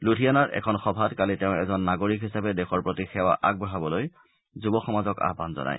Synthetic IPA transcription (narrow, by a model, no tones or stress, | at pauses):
lutijanaɹʔɛ̰kʰɔnxɔbʱatkalitɛʊ̃ɛzɔnːaɡoɹikɦisapɛdɛxɔɹpɹotixɛwa̰ʔa̰ɡ̚bɹɔɦabɔloj | zubɔxɔmazɔka̰ɦbʱanzɔ̰nʔa̰j